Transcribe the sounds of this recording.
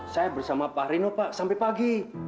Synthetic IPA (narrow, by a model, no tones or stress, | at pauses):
sajabərsamapaɾinopaʔsampɛpaɡi